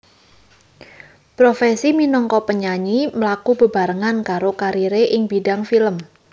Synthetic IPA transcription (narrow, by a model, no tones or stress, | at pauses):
pɾofɛsiminɔŋkɔpəɲaɲiməlakub̥ə̤ba̤ɾəŋankaɾokaɾiɾeʔɪŋb̥idaŋfiləm